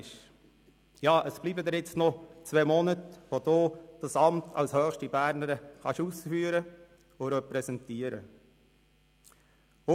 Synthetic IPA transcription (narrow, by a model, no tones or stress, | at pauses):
ʃ | jɑːʔəsb̥liːbəd̪ɛɾjɪt͡stnɔt͡sʋɛmɔnətʋod̥̪oːd̥ɑsɑmtʰɑlshœːxʃtibæːɾnəɾəχɑʃusfyːɾə | ʊɾɛpɾɛsɛntiːəɾə̰